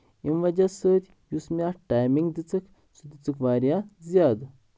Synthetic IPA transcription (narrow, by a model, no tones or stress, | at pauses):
imʋɐd͡ʒasəːt̪ʲ | jusmʲaʈajmiŋɡd̪it͡sək | sud̪it͡sɨkʋaɾjad͡zjad̪